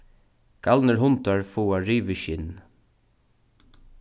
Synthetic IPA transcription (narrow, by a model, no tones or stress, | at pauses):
ɡ̥ɑlnəɹɦʊnt̪ɑɹfuːɑɹiːʋəʃɪn